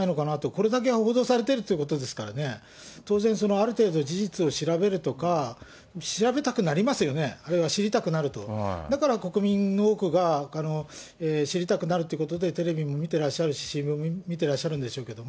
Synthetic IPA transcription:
aino̞kanat̪o̞ko̞ɾe̞d̪ak̬e̞ɡaho̞ːd̪o̞ːsaɾe̞t̪e̞ɾɯ̟t̪ojɯ̟ko̞t̪o̞d̪e̞sɨ̥kaɾa̰ne̞ | t̪o̞ːzẽ̞ɰ̃so̞no̞aɾɯ̟t̪e̞ːd̪o̞d͡ʑiʑit͡sɨo̞ɕiɾabe̞ɾɯ̟t̪o̞ka | ɕiɾabe̞t̪akɯ̟naɾʲimasɨjo̞ne̞aɾɯβaɕiɾʲit̪akɯ̟naɾɯ̟t̪o̞̰d̪akaɾako̞kɯ̟mʲĩnːo̞ːkɯ̟ɡaano̞eːɕiɾʲit̪akɯ̟naɾɯ̟t̪ojiɯ̟kot̪o̞d̪e̞t̪e̞ɾe̞bʲimo̞mʲit̪e̞ɾaɕːaɾɯ̟ɕi̥ɕĩmbommʲit̪̬e̞ɾaɕːaɾɯ̟̃nd̪e̞ɕo̞ːke̞d̪o̞mo

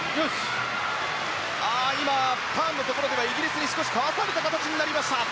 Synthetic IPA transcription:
jos | aima | pãnːo̞t̪o̞ko̞ɾo̞d̪e̞βaiɡʲiɾʲisɨɲ̟isɨ̥ko̞ɕi̥kaβaɸɯaɾet̪akat̪at͡ɕiɲ̟inaɾʲimaɕt̪a

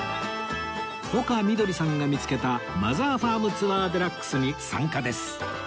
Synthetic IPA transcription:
ho̞kamʲid̪o̞ɾʲisãŋɡamʲit͡sɨ̥ke̞t̪ama̰zaːɸaːmɯ̟t͡sɨβaːd̪eɾakːɯ̥sɨɲ̟isã̰ŋkad̪e̞sɨ̥

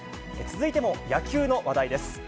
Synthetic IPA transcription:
et͡sɨzɨit̪e̞mo̞jakʲɨːno̞βad̪aid̪e̞sɨ̥

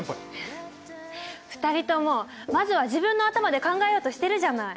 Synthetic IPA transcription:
ɸɯ̥t̪aɾʲit̪o̞mo̞ | mazɨβaʑibɯ̟̃nːo̞at̪amad̪e̞kãŋɡaejoːt̪oɕi̥t̪e̞ɾɯ̟ʑanai

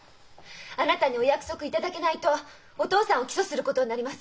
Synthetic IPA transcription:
anat̪aɲ̟io̞jakɯ̟̥so̞kɯ̟it̪ad̪ake̞nait̪o̞ː | t̪o̞ːsãɰ̃o̞kʲi̥so̞sɨɾɯ̟ko̞t̪o̞ɲ̟inaɾʲimasɨ̥

